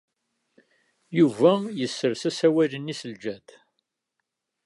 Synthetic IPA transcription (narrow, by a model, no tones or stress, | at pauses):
juvæjəsːəɾsæsæwælənːisəld͡ʒæd̪